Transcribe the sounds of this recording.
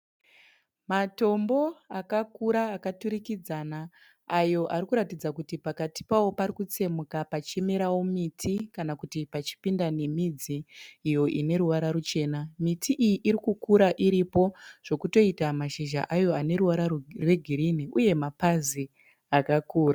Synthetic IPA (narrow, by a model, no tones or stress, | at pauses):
mato̞mbo̞akakuɾaːkatuɾikid͡zanaː | jo̞ʔarikuɾatid͡zakutipakati̥pawo̞paɾikut͡se̞mukapat͡ʃe̞me̞ɾawo̞mitʰikanakutipat͡ʃi̥pindane̞mid͡ziːjo̞ʔine̞ɾuʋaɾaɾut͡ʃe̞ːnamitʰiʔijiʔiɾikukuɾaʔiɾipo̞ʐ̥o̞kuto̞itamaʃiʒa̰ʔajo̞ane̞ɾuʋaɾarwe̞ɡʱiɾiniʔuje̞mapazi | akakuːra